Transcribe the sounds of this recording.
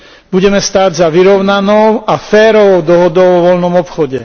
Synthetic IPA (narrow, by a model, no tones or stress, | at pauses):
b̥uɟɛmɛst̪aːɟzaʋiɾɔʊnanɔʊafɛːɾɔʋɔʊd̪ɔɦɔd̪ɔʊʋɔʋɔlnɔmɔpxɔɟɛ